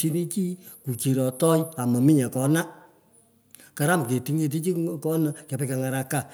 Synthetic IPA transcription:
i˦ni˦t͡ʃi˦ | ku˨ki˨ɾɔ˨tɔ˦ja˨ma˨mi˦ɲa˨kɔ˨˦na˦ | ka˨ɾa˦mke˨ti˨ŋe˧t̬i˦t͡ʃi˦kɔ˦nə˨˦ka˨pe˧ka˨ŋa˨ɾa˧ka˦˨

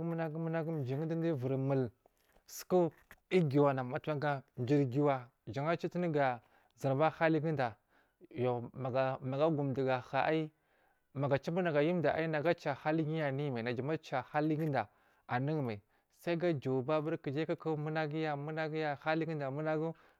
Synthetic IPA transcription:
mu˦na˦ɡu˦mu˦na˦ɡu˦m˨d͡ʒi˨ŋ˦di˦di˦vu˨ɾmə˨l | sku˦ | i˦ɡi˨wa˨na˨ma˨ta˦ɡa˦n˨d͡ʒi˦ɾɡi˦wa˦ | d͡ʒa˨ŋa˦t͡ʃi˦tni˦ɡa˨ | zi˨ɾba˦ha˦li˦ɡi˦nda˨ | jo˨ma˨ɡa˨ma˨ɡa˦ɡu˨mdi˨ɡa˨xa˨ʔa˦i˦ | ma˨ɡa˨t͡ʃa˦bu˦na˨ɡa˨ji˦m˦da˨ʔa̰˦i˦na˨ɡa˦t͡ʃa˨ha˦li˦ɡi˦ja˨ni˦˨ma˨na˨d͡ʒa˨ma˦t͡ʃa˨ha˦li˦ɡi˦nda˨ | a˨ni˦ŋ˨ma˨i˨ | sa˦i˦ɡa˦d͡ʒa˨ba˦bu˦ɾki˨d͡ʒa˦ka˦ku˦mu˦na˦ɡi˦ja˨mu˦na˦ɡi˦ja˦ha˦li˦ɡi˦da˨mu˦na˦ɡu˦

